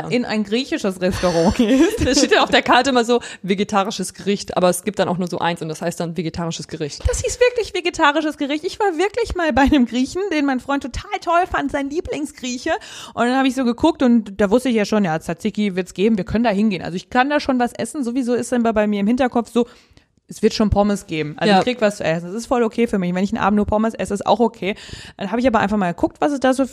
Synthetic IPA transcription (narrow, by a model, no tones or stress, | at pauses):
ʔɪnʔa̰ɪnɡʁiːçɪʃəsʁɛstoʁɑ̃ːɡeːtsteːtd̥anaʊfd̥eɐkʰaɐtəɪmazoːveɡetʰaːʁɪʃəsɡ̥əʁɪçtʔa̰ːbɐɛsɡ̥iːp̚td̥anaʊxnuːɐzo̰ːʔa̰ɪnsʊntd̥ashaɪstd̥anveɡetʰaːʁɪʃəsɡ̥əʁɪçtd̥ashiːstv̥ɪɐklɪçv̥eɡetʰaːʁɪʃəsɡ̥əʁɪçtɪçv̥aːɐvɪɐklɪçmaːlbaɪnəmɡʁiːçn̩d̥eːnmaɪnfʁ̥ɔʏntʰotʰaːltʰɔlfantz̥aɪnliːplɪŋsɡ̥ʁiːçəʔʊntd̥anhaːbəɪçz̥oːɡəkʰʊk̚tʊntd̥aːvʊstəɪçjaːʃoːnjaːt͡sat͡sɪkivɪɐtsɡ̥eːbm̩viːɐkʰœnəndaːɦɪnɡeːnʔa̰lzoɪçkʰandaːʃoːnvasʔɛ̰sn̩zoːvizoːɪstd̥anbabaɪmiːɐɪmhɪntɐkʰɔp͡fz̥oː | ʔɛsv̥ɪɐtʃoːnpʰɔməsɡ̥eːbm̩ʔa̰loɪçkʁ̥iɡəvast͡suʔɛsn̩dɛsɪstfɔlokʰeːfyːɐmɪçnvɛnɪçn̩ʔa̰ːbm̩tnuːɐpʰɔməsʔɛsəɪsta̰ʊxokʰeːd̥anɦaːbəɪçaːbɐʔa̰ɪnfaχmaːlɡəkʰʊk̚tv̥asɛs̬d̥aːzoː